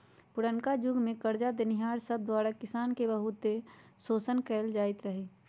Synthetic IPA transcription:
pʊɾənkad͡ʒʊɡmẽkəɾd͡ʒad̪ɪnɪɦaːɾsəb̚d̪waːɾakɪsaːnkebəɦʊt̪esoːsənkɛːld͡ʒaːɪt̪ɾəɦeː

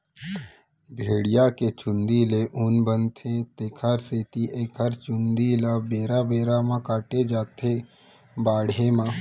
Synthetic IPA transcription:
bʱeːɽɪjaket͡ʃʊ̃nd̪ileʔʊnbənt̪ʰẽt̪eːkʰaɾseːt̪iʔeːkʰaɾt͡ʃʊ̃nd̪ilabeːɾabeːɾamãkaːʈed͡ʒaːt̪ʰe | baːɽemã

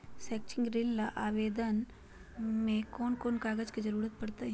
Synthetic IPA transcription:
sɛːk̚t͡ʃɪ̃ŋɡɾelːaʔaːʋeːd̪ən | mẽkoːnkoːnkaːɡəd͡ʒkid͡ʒɐɾuːɾət̪̚pɐɽt̪aɦɛ̃

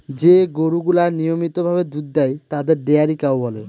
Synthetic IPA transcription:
d͡ʑeɡoɾuɡulanijomit̪obʱaβed̪ud̪̚d̪ajt̪ad̪eɾɖeaɾikawbɔle

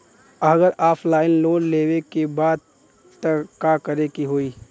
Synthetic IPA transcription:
əɡəɾaːpʰlaːɪnloːnleːwekebaːd̪ | t̪əkaːkɐɾekiɦoːiː

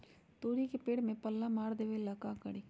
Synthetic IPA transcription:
t̪oːɾikepeːɽmẽpɐlːamaːɾd̪eːʋelɐkakɐɽiː

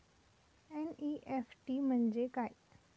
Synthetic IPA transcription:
ɛniʔefʈim̤əɳd͡zekaj

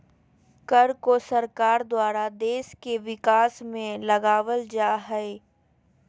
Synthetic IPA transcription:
kəɾkosɐɾkaːɾd̪waːɾad̪eːʃkeʋɪkaːsmẽlɐɡaːʋəld͡ʒaːɦɛe

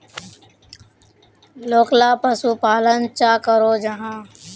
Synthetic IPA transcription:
loːklaːpəsuːpaːlənt͡ʃaːkəɾoːd͡ʒəɦãː

